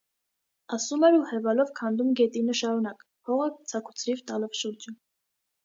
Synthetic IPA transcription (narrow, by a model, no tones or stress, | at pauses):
ɑsumɛɾuhɛvɑlɔvkʰɑnd̪umɡɛt̪inəʃɑɾunɑk | pʰɔʁət͡sʰɑkʰu̥t͡sʰɾivt̪ɑlɔvʃuɾd͡ʒə